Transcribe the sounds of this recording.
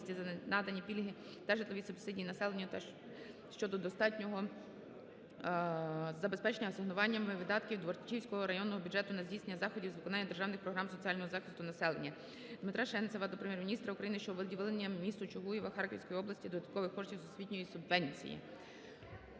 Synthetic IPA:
sʲtʲiznɑd̪ɐnʲipʲilʲɦɪ | t̪ɐʒɪt̪lˠɔʋʲisʊbsɪdʲijinɐsɛlˠenʲːɐt̪ | ʃt͡ʃɔd̪ɔd̪ɔst̪ɑtʲnʲɔɦɔ | zɐbespɛt͡ʃnʲɐɦɔsɪɦnʊʋɑnʲːɐmɪʋɪd̪ɑt̪kʲiwd̪ʋɔrt͡ʃʲiwsʲkɔɦɔɾɐjɔnːɔɦɔbʲudd͡ʒɛt̪ʊnɐzʲdʲijsenːɐzɑxɔdʲiwzʋɪkɔnɑnːɐd̪e̞rʒɑwnɪxpɾɔɦɾɑmsɔt͡sʲiɑlʲnɔɦɔzɑxɪ̥st̪ʊnɐsɛlˠenʲːɐ | d̪mɪt̪ɾɑʃɛnsɛʋɑd̪ɔpɾemjɛrmʲinʲist̪ɾɐukɾɐjinɪʃt͡ʃɔʋelˠdʲiʋɪlˠenʲːɐmmʲist̪ʊt͡ʃʊɦujiʋɐxɑrkɔʋʲsʲkɔjiɔblˠɐsʲtʲid̪ɔd̪ɐt̪kɔʋɪxkɔrʃtʲiwsʊsʲʋʲitʲnʲɔjisʊbʋɛnʲt͡sʲḭjḭ

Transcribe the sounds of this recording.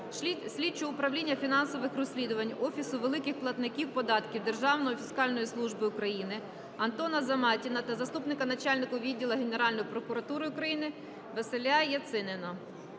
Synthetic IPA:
sʲlʲit͡ʃːʊʊpɾɐwlʲinʲːɐfʲinɑnsɔʋɪxrɔsʲlʲid̪ʊʋɐnʲɔfʲisʊʋelˠɪkɪxplˠɐt̪nɪkʲiwpɔd̪ɑt̪kʲiwd̪e̞rʒɑwnɔjifʲiskɑlʲnɔjislˠuʒbɪʊkɾɐjinɪ | ɐnt̪ɔnɐzɐmɑtʲinɐt̪ɐzɐst̪upnɪkɐnɐt͡ʃɑlʲnɪkʊʋʲidʲːilˠɐɦeneɾɑlʲnɔjipɾɔkʊɾɐt̪uɾɪʊkɾɐjinɪ | ʋeselʲajɐt̪sɪnɪnɐ

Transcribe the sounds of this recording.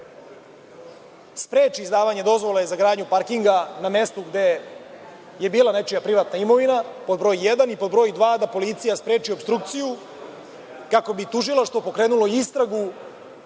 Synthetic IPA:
spɾeːt͡ʃiːzd̪aːʋaɲe̞d̪o̞zʋo̞lˠeezaɡɾaːd̪ɲupaɾkiŋɡaname̞st̪uɡd̪e̞ | je̞biːlanet͡ʃijapɾiʋat̪naimo̞ʋinapo̞d̪bɾo̞ːjjed̪anipo̞d̪bɾo̞jd̪ʋaːd̪apo̞lit̪sijaspɾe̞ːt͡ʃio̞bst̪ɾukt̪siju | kako̞bit̪uʒilˠaʂt̪vo̞po̞kɾe̞ːnulo̞iist̪ɾaɡu

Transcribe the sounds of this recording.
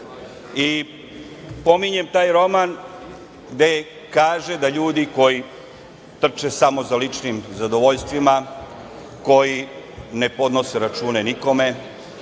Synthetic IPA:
i | po̞miɲe̞mt̪aːjɾo̞man | ɡd̪e | kaːʒed̪aʎuːd̪iko̞ji | t̪r̩t͡ʃesamo̞zalit͡ʂnimzad̪oʋoʎst̪ʋima | ko̞jine̞po̞d̪no̞se̞ɾat͡ʃuːne̞niko̞me̞

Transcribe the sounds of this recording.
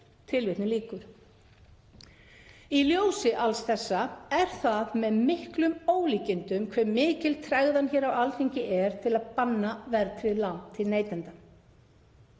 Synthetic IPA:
t̪ʰɪlvɪht̪nɪliːkʏɾ̥ | iljoːwsɪʔalsθɛsːaɛɾ̥θaðmɛðmɪhklʏmoːwliːcɪnt̪ʏmkʰvɛmːɪːcɪlt̪ʰɾaɣðançɛːɾawalt̪ʰiɲcɪʔɛɾ̥t̪ʰɪlaðpanːavɛɾt̪ʰɾɪðlawnt̪ʰɪlneːjt̪ɛnt̪a

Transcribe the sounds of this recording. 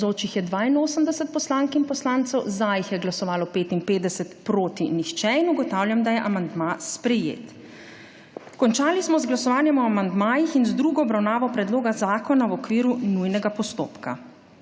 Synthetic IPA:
oːt͡ʃixjɛd̪ʋaːinoːsəmd̪ɛsɛt̪̚pɔslaːŋkinpɔslaːnt̪sɛwzajixjɛɡlasɔʋaːlɔpeːt̪inpeːd̪ɛsɛt̪pɾoːt̪inixt͡ʃɛinuɡɔt̪awljamd̪ajɛʔamand̪maspɾɛjḛːt̪ | kɔnt͡ʃaːlismɔzɡlasɔʋaːnjɛmɔamand̪maːjixinzd̪ɾuːɡɔːbɾawnaːʋɔpɾɛd̪loːɡazaːkɔnawɔkʋiːɾunujnɛɡapɔst̪o̰ːpka̰

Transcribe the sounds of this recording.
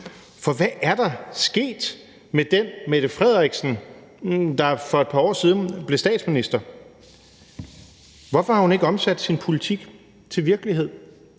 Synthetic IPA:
fɒ̽ʋæʔæɐd̥ɑ̈sɡ̥e̝̰ːd̥ | med̥enmeɾ̥əfʁɛð̞̰ˠʁiɡ̥sn̩ | d̥ɑ̈fɒ̽e̝d̥̚pʰɑ̈ɒ̰ːsiːð̞ˠn̩b̥le̝sd̥ɛ̰ːd̥sminisd̥ɐ | ʋɒfɒhɑ̈hune̝ɡ̥əɒ̽msæd̥sinpʰo̝lit͡sʰiɡ̥ | t͡sʰe̝ʋiɐɡ̥əliɦe̝ð̰ˠ

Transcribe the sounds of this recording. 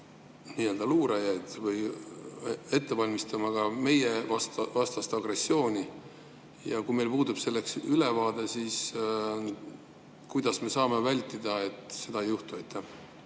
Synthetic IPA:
niːe̞ld̪̥ɑluːɾɑjɑjd̪̥vɤj | e̞t̪ːe̞pɑlʲmist̪ɑmɑɡ̥ɑme̞jevɑst̪vɑst̪ɑst̪ɑɡre̞sːio̞ːnʲi | jɑ̰kume̞lpuːd̪ub̥se̞lːe̞ksyle̞vɑːd̪̥e̞siːs | kujd̪̥ɑsme̞sɑːme̞vælʲt̪ːˑid̪̥ɑe̞t̪ˑse̞d̪ɑejuht̪uɑjt̪ʰːæ

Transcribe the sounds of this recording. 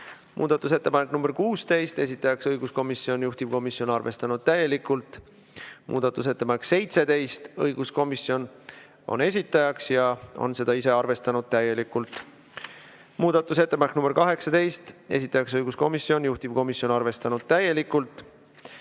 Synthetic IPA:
mʔṵːd̪̥ɑt̪ːˑuse̞t̪ːepɑneknumbeɾkuːst̪e̞jst̪e̞s̬ʲit̪ːˑɑjɑksɤjɡ̥usko̞misio̞njuht̪ib̥̚ko̞misjo̞nɑrve̞st̪ɑnud̪̥̚t̪æje̞likːult̪ˑ | mʔṵːd̪̥ɑt̪ːˑuse̞t̪ːe̞pɑnekse̞jt̪se̞d̪e̞jst̪ɤjɡ̥usko̞misio̞n | o̞̰ne̞s̬ʲit̪ːˑɑjɑksjɑo̰nse̞d̪̥ɑise̞ɑrve̞st̪ɑnud̪̚t̪æje̞likːˑult̪ːˑ | muːd̪̥ɑt̪ːˑuse̞t̪ːepɑnek̚ːˑnumb̥ekɑɦe̞ksɑt̪e̞jst̪e̞sit̪ːˑɑjɑksɤjɡ̥usko̞misːio̞njuht̪ib̥̚ko̞misjo̞nɑrve̞st̪ɑnud̪̥̚t̪æje̞likːult̪ːˑ

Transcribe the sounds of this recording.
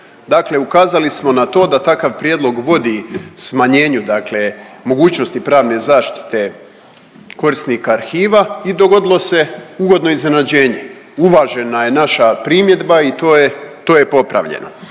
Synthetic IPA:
d̪akle̞ukaːzalismo̞nat̪o̞ːd̪at̪akaʋpɾʲjed̪lˠo̞ɡʋo̞d̪ismaɲe̞ːɲud̪akle̞mo̞ɡuːt͡ɕnost̪ipɾaːʋne̞zaːʃt̪i̥t̪e̞ | ko̞ɾisnikaːɾxiːʋaid̪o̞ɡo̞d̪ilo̞se̞uɡo̞d̪no̞izne̞nad͡ʑe̞ːɲe̞uʋaːʒe̞naje̞naʃapɾimje̞d̪bait̪ot̪o̞ːjepo̞pɾa̰ʋʎḛnʔo̰

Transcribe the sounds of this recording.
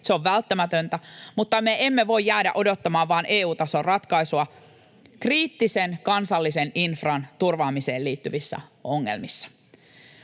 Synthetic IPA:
seo̞ʋʋælt̪ːæmæt̪ønt̪æmut̪ːɑmeʔemːeʋo̞ijjæːdæ̰ʔo̞do̞t̪ːɑmɑːʋʋɑːnʔeːuːt̪ɑso̞rrɑt̪kɑisuɑ | kriːt̪ːisenkɑnsɑlːiseninfrɑnt̪urʋɑːmise̞ːlliːt̪ːyʋisːæ̰o̞ŋːe̞̰lmisːɑ̥

